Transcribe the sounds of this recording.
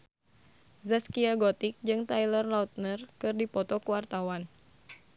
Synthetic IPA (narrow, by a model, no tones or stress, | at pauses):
zaskiaɡɔt̪ik̚d͡ʒɨŋt̪ajlərlaut̪̚nərkɨrdipɔt̪ɔkuwart̪awan